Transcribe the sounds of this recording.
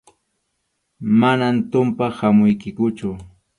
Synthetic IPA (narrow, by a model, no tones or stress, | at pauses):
manant̪ʊmpahamʊjkɪkʊt͡ʃʊ